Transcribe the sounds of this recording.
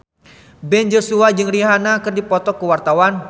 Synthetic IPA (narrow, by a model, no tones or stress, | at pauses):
bɛnd͡ʒosuad͡ʒɨŋriɦanakɨrdipɔt̪ɔkəwart̪awan